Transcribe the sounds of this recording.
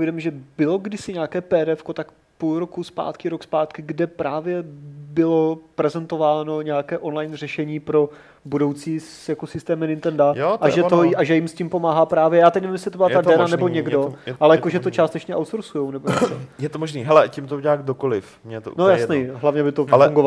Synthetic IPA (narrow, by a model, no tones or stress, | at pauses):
pojdɛmɪʒɛbɪlo̞ɡdɪsɪɲaːkɛːpɛːɾɛfkot̪ak | pulɾokuspa̰ːt̪kɪɾokspaːt̪kɪɡdɛpɾaːvjɛbɪlopɾɛzɛnt̪o̞vaːnoɲɛakɛːʔo̞nlajnr̝ɛʃɛɲiːpɾo̞ | budo̞wt͡siːsjakosɪst̪ɛːmɛnɪnt̪ɛndajotaʒɛt̪oʔaʒɛjɪmscʲimpo̞maːɦapɾaːvjɛjaːt̪ɛcnɛvimjɛs̬ɪt̪obɪlad̪t̪adt̪ɛnnanɛbo̞ɲɛɡdo̞ʔalɛjaakoʒɛt̪ot͡ʃaːst̪ɛt͡ʃɲɛʔawt̪soɾsujownɛboɲɛojɛt̪omoʒniːɦɛlɛcɪmt̪oɲaːɡdokolɪf | mɲɛt̪oʔnojasnɛjɦlavɲɛbɪt̪oluŋɡova